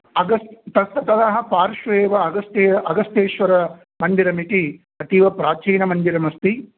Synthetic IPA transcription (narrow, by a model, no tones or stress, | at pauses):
ɐɡɐst̪t̪ɐt̪ɐt̪ɐd̪ɐɦɐ̆paːɾʃɐeːʋɐɐɡɐst̪eːɐɡɐst̪eːʃʋɐɾɐ | mɐnd̪iɾɐmiʈi | ɐt̪iʋɐpɾaːt͡ʃiːnɐmɐnd̪iɾɐmɐst̪i